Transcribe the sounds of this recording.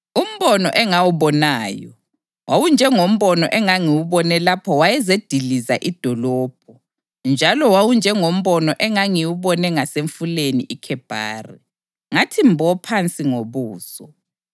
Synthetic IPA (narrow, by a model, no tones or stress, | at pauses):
um̩βɔnɔ̰ʔɛŋawuβɔnaːjɔ | wawund͡ʒʱɛŋom̩βɔnɔʔɛŋaŋiwuβɔnɛlapʰɔwajɛzed̥ʱilizaʔid̥ʱɔlɔːb̥ʱɔ | nd͡ʒʱalɔwawund͡ʒʱɛŋom̩βɔnɔʔɛŋaŋiwuβɔnɛŋaseɱfulenḭʔikʰɛb̥ʱa̰ːri | ŋatʰimbʱɔpʰant͡sʼiŋoβuːsɔ